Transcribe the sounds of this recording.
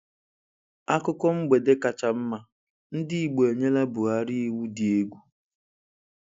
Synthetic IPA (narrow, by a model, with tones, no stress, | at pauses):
a˦kʊ˦kɔ˦ŋ͡m̩˦ɡ͡be˨de˦ka˨t͡ʃa˨m̩˦ma˨ | n̩˦dɪ˦i˨ɡ͡bo˨ɲe˦la˦bʊ˨ɣa˦ɾi˦i˦wu˦di˨e˦ɡʷu˦